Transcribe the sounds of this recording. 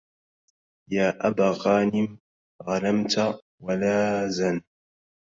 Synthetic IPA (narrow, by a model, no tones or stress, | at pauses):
jaːʔabaːqɑːnɪm | ɣanamt̪a | walaːzan